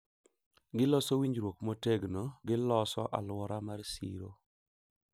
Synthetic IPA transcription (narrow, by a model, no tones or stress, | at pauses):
ɡɪlɔsowiɲɾwokmoteɡnoɡɪlɔsɔ̰ʔa̰lwɔɾamarsḭɾo